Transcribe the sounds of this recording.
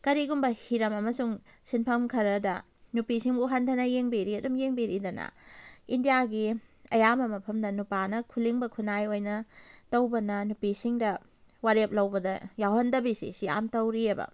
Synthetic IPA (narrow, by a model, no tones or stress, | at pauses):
kɐɾiɡumbɐhiɾɐmɐmɐsuŋsinpʰɐmkʰɐɾɐdɐ̰ | nupisiŋbuɦɐndʰɐnɐjeŋbiɾiɐdumjeŋbiɾidɐnɐ̰indijaɡiɐjamɐmɐpʰɐmdɐnupanɐkʰuliŋbɐkʰunajojnɐtɐwbɐnɐnupisiŋdɐ | waɾep̚lɐwbɐdɐjawhɐndɐbisḭsia̰mtɐwɾiɐbɐ̰